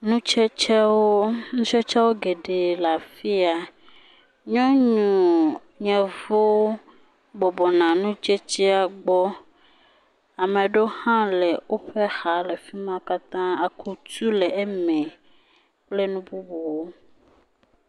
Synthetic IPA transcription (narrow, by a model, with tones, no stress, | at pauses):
nũ˦t͡ʃɛ˦t͡ʃɛ˦wo˦nũ˦t͡ʃɛ˦t͡ʃɛ˦wo˦ɡe˨ɖe˨la˨fi˦a˨ | ɲɔ̃˦ɲũ˨ | ɲɛ̃˨vo˦ | bɔ˨bɔ˨nã˨nũ˦t͡ʃe˦t͡ɕi˦a˨ɡ͡bɔ˦ | a˨mẽ˨ɖo˦hã˦le˨wo˦ɸe˦xa˨le˨fi˦mã˦ka˦t̪ã˦a˨kʰu˨t̪u˦le˨e˦mɛ̃˨ | k͡ple˦nũ˦bu˦bo˨wo˦